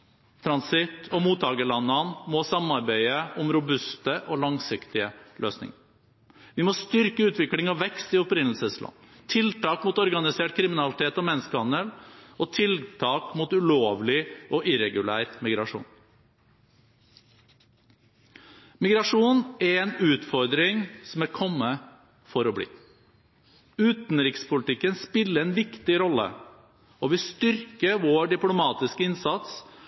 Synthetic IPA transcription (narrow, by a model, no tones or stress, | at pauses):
t̪ʰɾɑnsɪt̪ʰɔmuːt̪ʰːɑːɡəlɑnːɑnmɔsɑmɑɾbæɪəʔʊmɾʊbʉst̪əʔɔːlɑŋsɪkt̪ɪəlø̰ːsnɪ̰ŋəɾ | ʋɪmɔst̪ʏɾkəʉːt̪ʋɪklɪŋɔʋɛkst̪ɪʊpɾɪnəl̩səslʔɑ̰nː | t̪ʰɪlt̪ɑːkmuːt̪ɔɾɡɑnɪseːʈ̚kʰɾɪmɪnɑlɪt̪ʰeːt̪ɔmɛnːəskəɑnəlɔt̪ʰɪlt̪ʰɑːkmut̪ʉloːʋlɪʔɔʔɪɾɛɡʉlæ̰ːɾmɪɡɾɑʂṵːn | mɪɡɾɑʂuːnɛɾɛːnʉːt̪fɔɾd̪ɾɪŋsɔmæɾkʰɔmːə | fɔɾɔblḭː | ʉːt̪nɾɪkspʰʊlt̪ɪkːənspɪlːəɾɛnʋɪkt̪ɪɾɔlːə̰ | ɔʋɪst̪ʏɾkəʋoːɖɪplʊmɑːt̪ɪskəɪnsɑt̪s